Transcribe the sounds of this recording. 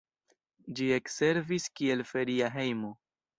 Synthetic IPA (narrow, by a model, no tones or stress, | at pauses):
d͡ʒie̞kse̞ɾviskie̞lfe̞ɾiaɦe̞jmo̞